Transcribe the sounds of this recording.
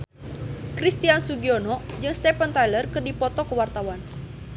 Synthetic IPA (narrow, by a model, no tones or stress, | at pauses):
kɾist̪iansuɡiɔnɔd͡ʒɨŋst̪ɛpənt̪ajlərkɨrdipɔt̪ɔkəwart̪awan